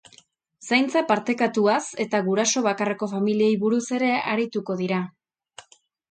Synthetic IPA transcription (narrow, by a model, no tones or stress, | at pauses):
sajnt͡sepaɾt̪e̞kat̪uase̞t̪aɣuɾaso̞β̞akare̞ko̞familiejβuɾuse̞ɾe̞aɾit̪uko̞ðiɾa